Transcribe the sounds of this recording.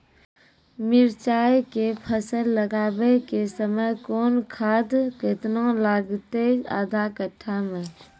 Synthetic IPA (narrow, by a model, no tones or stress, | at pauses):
mɪɾt͡ʃaːekepʰəsəlːəɡaːbekesəməjkoːnkʰaːd̪ket̪nãlaːɡt̪ea̰ːd̪ʱakəʈʰːamẽ